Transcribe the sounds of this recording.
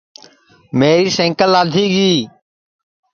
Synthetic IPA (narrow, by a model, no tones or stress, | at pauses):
meːɾiːsẽŋkəlaːd̪ʱiːɡiː